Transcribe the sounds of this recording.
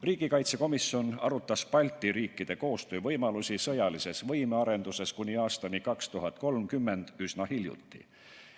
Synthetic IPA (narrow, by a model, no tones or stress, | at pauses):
riːɡ̥ikɑjt̪se̞ko̞misjo̞nɑ̰ɾut̪ːˑɑspɑlʲt̪ːˑiɾiːkːˑid̪̥e̞ko̞ːst̪øːvɤ̞jmɑlusʲisɤjɑlise̞svɤ̞jmeɑɾe̞nd̪̥use̞skunʲiɑːst̪ɑnikɑkst̪uɦɑt̪̚ˑko̞lmkymːe̞nd̪̥ysnɑhiljṵt̪ːˑḭ